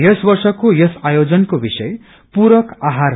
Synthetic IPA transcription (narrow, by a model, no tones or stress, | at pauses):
jʌsbʌrsʌkojʌsajod͡zʌnkobisʌj | puɾʌkaɦar